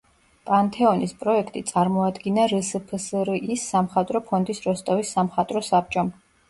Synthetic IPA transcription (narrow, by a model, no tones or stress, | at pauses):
pʼant̪ʰɛɔnispʼɾɔɛkʰt̪ʼit̪sʼaɾmɔad̪ɡinaɾəsəpʰsɾisːamχat̪ʼɾɔpʰɔnd̪isɾɔst̪ʼɔvisːamχat̪ʼɾɔsap̚t͡ʃʼɔm